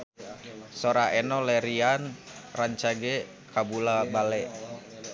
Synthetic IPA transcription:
sɔɾaɛnɔlɛɾianraɲt͡ʃaɡɛ | kʰabulabalɛʔ

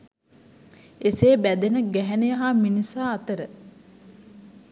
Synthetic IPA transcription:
eseːbæd̪enəɡæɦɛnejəɦaːminisaːt̪əɾə

